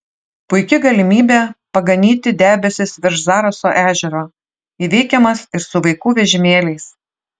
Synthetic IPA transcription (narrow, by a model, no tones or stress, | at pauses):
pʊɪkʲɪɡɐlʲɪmʲiːbʲeːpɐɡɐnʲiːt̪ʲɪd̪ʲæːbʲɛsʲɪsʋʲɪɾʃzɑːɾɐsoːʔæːʒʲɛɾoː | iʋʲɛɪkʲɛmɐsɪɾsʊʋɐɪkuːʋʲɛʒʲɪmʲeːlʲɛɪs